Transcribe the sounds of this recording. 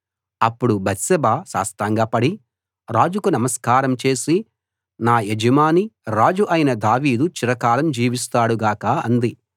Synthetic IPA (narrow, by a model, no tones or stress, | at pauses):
ɐpːuɽubʱɐt̪sɐbaːsa̰ːst̪aːŋɡaːpɐɽi | ɾaːd͡ʒukunɐmɐskaːɾɐmt͡ʃe̞ːsi | naːed͡ʒɐmaːniɾaːd͡ʒuʔɐjinɐd̪aːʋiːd̪ut͡ʃiɾɐkaːlɐmd͡ʒiːʋis̬t̪aːɽuɡaːkɐɐnd̪i